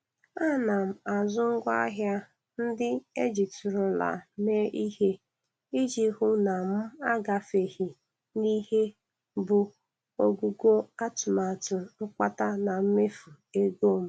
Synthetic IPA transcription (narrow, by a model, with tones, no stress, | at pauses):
a˦˨na˨m̩˨a˨zʊ˦ŋ̩˦ɡʷa˦ɦja˦ | n̩˦dɪ˦e˦d͡ʒi˨tʊ˨ɾʊ˨la̰˨me˦ʔi˦he˦ | i˦d͡ʒi˦ɦʊ˦na˨m̩˦a˦ɡa˨fe˨hi˨ | ni˦he˦ | bʊ˨ | o˦ɡu˦ɡo˦a˦tʊ˨ma˨tʊ˨n̩˦k͡pa˦ta˦na˨m̩˦me˦fu˨ | e˦ɡo˦˨m̩˦